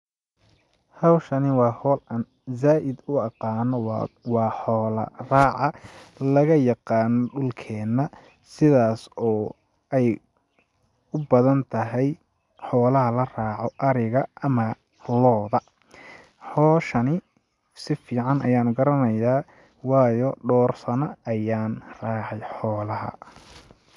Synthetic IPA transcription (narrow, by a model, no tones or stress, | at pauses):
hɑwʃɐnɪwɑːhɔːlɐn | zaːʔɪd̪ʊɑqɑːnɔwɑːħɔːlɐ̰rɑːʕɑlɐɣɐjɑqɑːnɔɖʊlkʰɛːnːɐ | sɪðaːsɔː | ɛj | ʊbɐðɐnt̪ʰɐɦɛj | ħɔːlɐɦɐlɐraːʕɔʔɐɾɪɣɐʔɐmɐ | lɔːðɐ | ħɔːʃɐnɪ | sɪfiːʕɑnɐjaːnɡɐɾɐnɐjaː | wɑːjɔɖɔːrsɐnɐːjaːnraːʕɛjħɔːlɐɦɐ̰